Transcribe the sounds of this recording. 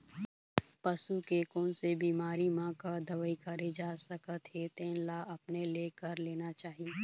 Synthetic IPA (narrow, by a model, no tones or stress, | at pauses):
pɐsukekɔːnsebiːmaːɾimãkad̪ɐʋəikɐɾed͡ʒaːsɐkət̪ɦet̪ẽːlaːʔɐpneleːkɐɾleːnat͡ʃaːɦie